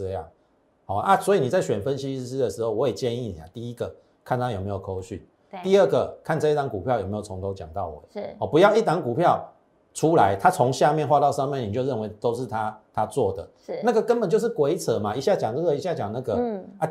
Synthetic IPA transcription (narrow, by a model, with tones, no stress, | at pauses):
a˨˩ | hɔ˨˩a˦˩swɔ˧˥i˨ni˨˩t͡sa˥˩ɪɕɥɛ˨˩nfə˦nɕi˦˥˧s̩˥d̪ə˨˩ʂ̩˦xo˥˩ʊwɔ˧˦je˨˩t͡ɕɛ˥˧ni˥˨nḭ˨˩a̰˨t̪i˥i˦ɡə˨ | kʰa˥˨nt̪ʰa˥jo˨˩me˧˥ɪjo˨˩kʰo˧˥ʊɕy˥˩ | t̪i˥˧ə˥˩ɡə˩kʰa˥˧nt͡sɤ˥˧i˥t̪a˧˦ŋku˨˩pʰjjm˧˦˥jo˨˩o˧˦ŋt̪ʰo˧˥ʊt͡ɕjɑ̰˨˩ŋt̪ɑ˥˩ʊwɔ̰˨˩hɔ˨˩pu˧˦jɑ˥˧ʊi˥˩t̪a˧˥ŋku˨˩pʰjɑ˥˨ʊ | t͡sʰu˦˥la˨˦ɪt̪ʰa˦t͡sʰɔ˧˦ŋɕja˥˧mjɛ˥˧nxwa˧t̪ɑ˥˧ʊʂɑ˥˧ŋmjɛ˥˨ni˨˩t͡ɕjo˥˧ʊə˥˩nwe˧˦ɪt̪o˥ʊʂɻ̩˥˩t̪ʰa˦t̪ʰa˦t͡swɔ˥˩d̪ə̰˩˥˩na˥˩ɡə˨˩kə˦npə˨˩nt͡ɕjo˥˧ʊʂɻ̩˥˩kwe˧˥˦ɪt͡sʰɤ˨˦ma˨i˧˦ɕja˥˩t͡ɕjɑ˨˩ŋnɤ˥˧˩ə˧˨i˧˦ɕja˥˩t͡ɕjɑ˨˩ŋna˥˩ɡə˨a˥˩